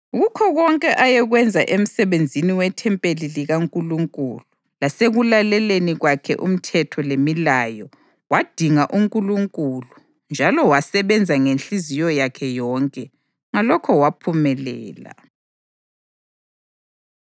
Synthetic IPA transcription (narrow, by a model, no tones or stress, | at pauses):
ɣukʰɔɣɔŋkʼɛʔajɛɣwɛnd͡zʱaʔem̩sɛβend͡zʱiniwɛtʰɛmpʼeliliɣaŋkʼuluŋkʼuːlu | laseɣulalɛleniɣwakʰɛ̰ʔṵm̩tʰɛtʰɔlemilaːjɔ | wad̥ʱiŋaʔuŋkʼuluŋkʼulu | nd͡ʒʱalɔwasɛβɛnd͡zʱaŋenɬizijɔjakʰɛjɔŋkʼɛ | ŋalɔkʰɔwapʰumɛlɛːla̰